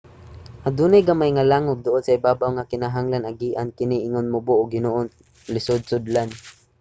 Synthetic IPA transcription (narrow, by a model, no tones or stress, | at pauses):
had̪unajɡamajŋalaŋʊɡ̚d̪ʊʔʊd̪saɪbaːbawŋakɪnaɦaŋlanaɡiːʔankɪniʔɪŋʊnmʊbʊʔʊɡɪnuːʔʊn | lɪsʊd̪̚sʊd̪lan